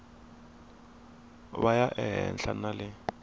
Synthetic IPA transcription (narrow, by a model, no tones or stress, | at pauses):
βajaʔɛɦɛ̰nɬanalɪ